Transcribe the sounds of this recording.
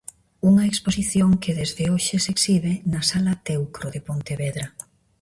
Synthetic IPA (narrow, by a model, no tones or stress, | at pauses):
uŋɐeksposiθjoŋkɪðezðɪoʃɪseksiβenɐsalɐt̪ewkɾoðepont̪eβɛðɾɐ